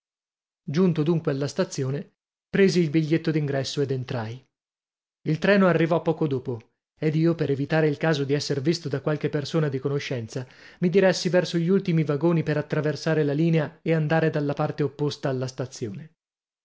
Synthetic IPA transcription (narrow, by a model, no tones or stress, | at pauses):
d͡ʒunt̪od̪uŋkwealːast̪at̪sːjoːne | pɾeːziːlbiʎːet̪ːod̪iŋɡɾɛsːoed̪ent̪ɾaj | ilt̪ɾɛːnoarːivɔpːɔːkod̪oːpo | ed̪iːopeɾevit̪aːɾeilkaːzod̪iɛsːervist̪od̪akwalk̟epːersoːnad̪ikonoʃːɛnt̪samid̪iɾɛsːivɛrsoʎiult̪imivaɡoːnipeɾat̪ːɾaversaːɾelaliːneaeand̪aːɾed̪alːapart̪eopːost̪aːlːast̪at̪sːjoːne